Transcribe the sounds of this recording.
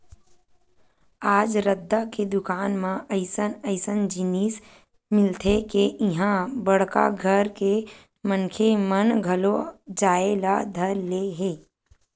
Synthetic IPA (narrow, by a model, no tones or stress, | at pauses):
aːd͡ʒɾəd̪ːaked̪ʊkaːnmãəɪsənəɪsənd͡ʒɪniːs | mɪlt̪ʰekeʔɪɦãbəɽ̤ka̰ɡʱəɾke | mənkʰemənɡʱəlod͡ʒaːelad̪ʱəɾleɦeː